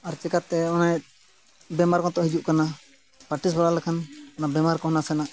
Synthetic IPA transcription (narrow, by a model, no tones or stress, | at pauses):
aɾt͡ʃɛkat̪ːɛɔnaɛt̪̚ | bɛmaɾkɔ̃t̪ɔʔɦid͡ʒuʔkana | paʈis̬baɾalɛkʰanɔnabɛmaɾkɔɦɔnasɛnaʔ